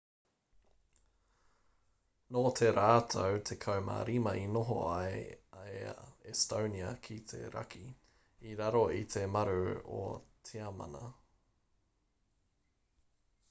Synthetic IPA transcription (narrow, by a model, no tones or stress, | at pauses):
noːt̪ʰeɾaːt̪ʰowt̪ʰekʰɐwma̰ːɾimɐʔinoɦo̰ajaeɛstowniɐkʰit̪ʰḛɾɐ̰kʰi | iɾɐɾoit̪ʰemɐɾʉo̰t̪ʰiɐmɐ̰nɐ̰